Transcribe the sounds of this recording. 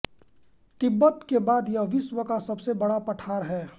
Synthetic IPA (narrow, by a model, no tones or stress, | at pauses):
t̪ɪbːət̪kebaːd̪jɐʋɪswəkasɐbsebɐɽapɐʈʰaːɾɦɛː